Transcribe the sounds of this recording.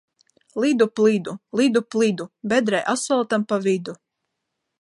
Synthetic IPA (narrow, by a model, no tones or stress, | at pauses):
lˠid̪uplid̪ulˠid̪uplˠid̪ubʲɛd̪ɾɛjʔasalˠt̪ampavid̪u